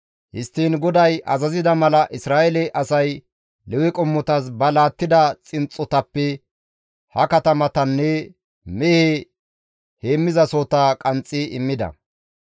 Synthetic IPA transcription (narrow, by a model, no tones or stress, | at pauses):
hɪ̰st̪ːiːnɡɔd̪ɐjʔɐ̰zɐzɪd̪ɐmɐlɐʔɪsɾaːʔɛlɛʔɐsɐj | lɛwɛkʼɔmːɔt̪ɐs̬bɐlaːt̪ːɪd̪ɐt͡sʼɪnt͡sʼːɔt̪ɐpːɛ | hɐkɐt̪ɐmɐt̪ɐnːɛ | mɛhe | heːmːɪzɐsot̪akʼɐnt͡sʼːɪɪmːɪd̪ɐ̰